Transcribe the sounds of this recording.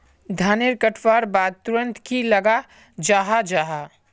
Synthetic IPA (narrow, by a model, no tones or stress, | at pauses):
d̪ʱaːneɾkəʈʰwaːɾbaːd̪̚t̪uɾə̃nt̪kiləɡa | d͡ʒaːɦad͡ʒaːɦa